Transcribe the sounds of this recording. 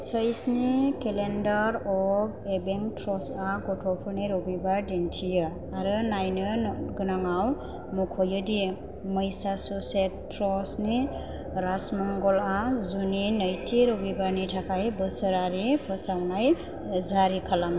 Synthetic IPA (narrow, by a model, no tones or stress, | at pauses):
səjsnikelendaɾɔɡebeŋtʰɾɔsaɡɔtʰɔpʰɯɾniɾɔbibadintʰijɯ | aɾɯnajnɯɡɯnaŋaw | mɔkʰɔjɯdi | məjsasusetː | ɾɔsni | ɾasmɔŋɡɔlazuninəjtʰiɾɔbibanitʰakʰajbɯsɯɾaɾipʰɔsawnaj | zaɾikʰalam